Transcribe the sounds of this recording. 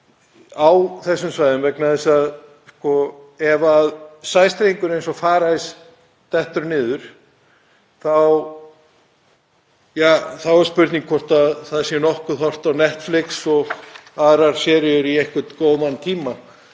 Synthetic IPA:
awθɛsːʏmsvaːjðʏmvɛknaðɛsað | skɔɛvaðsaːjst̪ɾeiŋkʏɾejnsɔfaːɾajs | t̪ɛht̪ʏɾnɪːðʏɾ̥ | θaw | jaːθawɛɾ̥spʏɾt̪niŋkʰfɔr̥t̪aðθaðsjɛnɔhkʏθɔr̥t̪awnɛht̪flɪksɔɣθaðɾaɾ̥sɛːɾɪʏɾiɛhkʏt̪koːwðant̪ʰiːma

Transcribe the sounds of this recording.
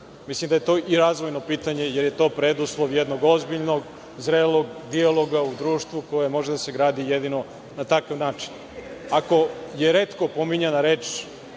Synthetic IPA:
mislimd̪aje̞t̪o̞ːʔiɾaːzʋo̞jno̞piːt̪aɲe̞jeɾje̞t̪o̞ːpɾed̪uslˠoʋjed̪no̞ɡozbiʎno̞ɡ | zɾelo̞ɡd̪ialˠo̞ɡaud̪ɾuːʃt̪ʋuko̞jemo̞ʒed̪ase̞ɡɾaːd̪ijed̪ino̞ | nat̪akaʋnaːt͡ʃi̥n | ako̞jeɾeːt̪ko̞po̞miɲanaɾeːt͡ʃ

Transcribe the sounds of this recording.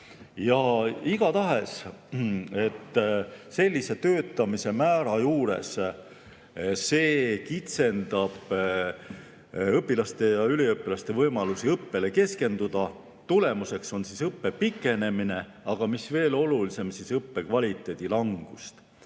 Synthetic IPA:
jɑiɡ̥ɑt̪ɑɦe̞s | e̞t̪ːse̞lʲːise̞t̪øːt̪ːˑɑmise̞mæːɾɑjuːɾe̞̰s | se̞ːkit̪se̞nd̪ɑb̥ | ɤpːˑilɑst̪e̞jɑyliɤpːilɑst̪e̞vɤjmɑlusiɤpːe̞le̞ke̞ske̞nd̪̥ud̪̥ɑ | t̪ule̞muse̞kso̞nsisɤpːe̞pikːˑe̞ne̞mine̞ | ɑɡ̥ɑmisve̞ːlo̞lulise̞msisɤpːe̞kvɑlʲit̪ːˑe̞ːd̪̥ilɑŋɡ̥ust̪

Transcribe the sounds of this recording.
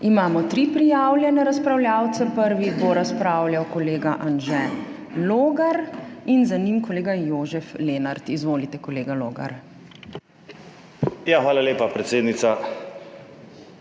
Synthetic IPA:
imaːmɔt̪ɾipɾijaːwlʲjɛnɛɾaspɾawljaːwt̪sɛpəɾʋiboɾaspɾaːwljawkɔleːɡaʔanʒɛ | loːɡaɾinzanimkɔleːɡajoːʒɛfleːnaɾt̪izʋoːlit̪ɛkɔleːɡaloːɡa̰ɾ | jaxʋaːlaleːpapɾɛt̪seːd̪nit̪sa

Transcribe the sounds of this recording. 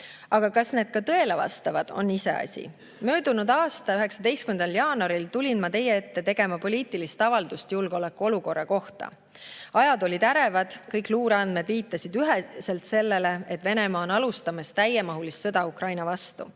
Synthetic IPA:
ɑɡ̥ɑkɑsne̞ːd̪̥̚kɑt̪ɤ̞e̞levɑ̰st̪ɑvɑd̪̥o̞̰nːise̞̰ɑ̰sʲḭ | mø̞ːd̪̥unud̪̥ɑːst̪ɑyɦe̞ksɑd̪e̞jst̪kymend̪ɑljɑːnɑɾilt̪ulʲinmɑt̪e̞jːee̞t̪ːe̞t̪e̞ɡ̥e̞mɑpo̞lʲiːt̪ˑilist̪ɑvɑld̪̥ust̪julɡ̥eole̞kːˑuo̞luko̞rːɑko̞ht̪ɑ̰ | ɑjɑd̪o̞lʲid̪̥æɾe̞vɑd̪̥kɤjkˑluːɾɑnd̪me̞d̪viːt̪ːˑɑsid̪̥yɦese̞lt̪se̞lːe̞le̞e̞t̪ːˑve̞ne̞mɑːo̞nɑlust̪ɑmɑst̪æjemɑɦulisːɤd̪̥ɑukrɑjnɑvɑst̪ṵ

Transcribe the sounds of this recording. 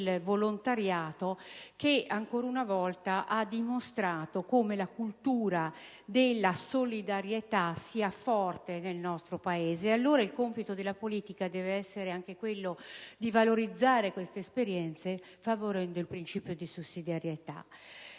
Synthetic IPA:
lvolont̪aɾjaːt̪okeaŋkoːɾaunavɔlt̪aʔad̪imost̪ɾaːt̪okomelakult̪uːɾa | d̪elːasolid̪aɾjet̪asiːafɔrt̪enelnɔst̪ɾopaeːzealːoːɾailkompit̪od̪elːapoliːt̪ikad̪ɛːveɛsːeɾeaŋk̟ekwelːod̪ivaloɾid̪zːaːɾekwest̪eːspeɾjɛnt̪se | favoɾɛnd̪oilpɾint͡ʃiːpjod̪isusːid̪aɾjet̪a̰

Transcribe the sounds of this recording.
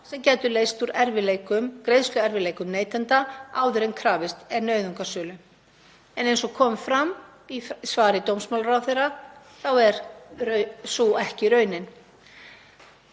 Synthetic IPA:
sɛmcɛːt̪ʏleːjst̪uɾɛɾvɪleːjkʏmkɾejðst̪lʏɛɾvɪleːjkʏmneːjt̪ɛnt̪aaːwðʏɾenkʰɾaːvɪst̪ɛɾnœːɥðʏŋkḁsʏːlʏ | ɛnejnsɔkʰɔːmfɾam | isvaːɾɪt̪owmsmawlrawθejra | θawɛɾ | suɛhcɪɾœːɥnɪn

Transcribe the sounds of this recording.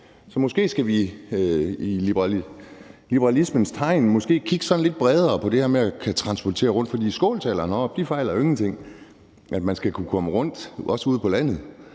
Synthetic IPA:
sɒ̽mɒ̽sɡ̥e̝̰ːsɡ̥æʋi | ilib̥ | lib̥ɐʁɑlismənst͡sʰɑ̈ɪ̰nmɒ̽sɡ̥e̝̰ːkʰiɡ̥ə̥sɒ̽n̩le̝d̥̚b̥ʁɛð̞ˠɐːpʰɒ̽d̥e̝heɐmeækʰæt͡sʰʁɑ̈nsb̥ɒt͡sʰe̝̰ːɐʁɔ̽n̰d̥fɒ̽d̥ḭːsɡ̥ɔ̰ːlt͡sʰɛ̰ːlɐnɒb̥̚d̥ifɑ̈ɪ̰lɐe̝ŋn̩t͡sʰe̝ŋ̰ | ʔæd̥mænsɡ̥ækʰukʰɒ̽məʁɔ̽n̰d̥ɒ̽səuð̞̰ˠpʰɒ̽læn̰ð̩ˠ

